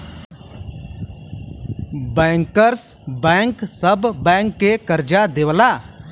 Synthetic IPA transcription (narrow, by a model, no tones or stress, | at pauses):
bɛ̃ːŋkəɾsbɛ̃ːŋksəbːɛ̃ːŋkːekəɾd͡ʒad̪eʋlaː